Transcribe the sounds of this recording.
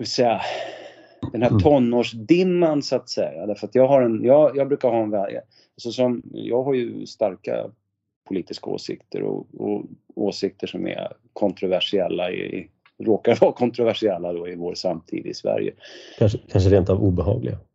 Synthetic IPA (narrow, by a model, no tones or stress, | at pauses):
svɪlsɛja | d̪̥ɛnhæːt̪ʰɔnːoːʂd̪ɪmːansʊat̪sɛjad̪æɾfəɾat̪jɑːɡɦaɾɛnjɑːjɑːɡbɾʉ̟ːkaɾhɑːɛnvɛlj̰ | asɔsɔmjɑːɡɦaɾjɵst̪aɾka̰ | pʰʊliːt̪ɪskao̰ːsɪ̰kt̪ʰə̰ɾɔ̰ɔoːsɪk̚t̪ʰəʂɔmɛ̰ | kʰɔnt̪ɾʊvæʂɪɛlːaɪɪ̰ | ɾoːkaɾvɑːkʰɔnt̪ɾʊvæʂɪɛlːad̪ɔɪvoːɾsamt̪ʰḭːd̪ɪɪsvæ̰ɾjə̰kʰanʂkʰanʂəɾeːnt̪avuːbɛɦɑ̰ːɡlɪ̰ɡa